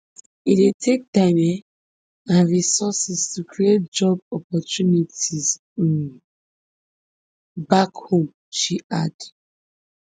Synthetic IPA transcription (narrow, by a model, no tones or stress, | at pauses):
itetʰek̚damɛ | ãnɹisɔsɛstʰukʰɹiet̚d͡ʒɔb̚ɔpɔtunitiz | bakhõm | ʃiʔad